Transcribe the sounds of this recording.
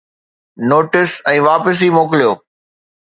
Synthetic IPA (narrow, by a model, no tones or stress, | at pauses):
noːʈɪsɛ̃ːʋaːpəs̬imoːkɪlijoː